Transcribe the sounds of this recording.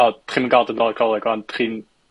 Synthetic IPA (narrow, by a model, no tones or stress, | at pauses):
ɔdtχiːmənɡalˠdənɔlˠkʰɔlˠɛɡwantχin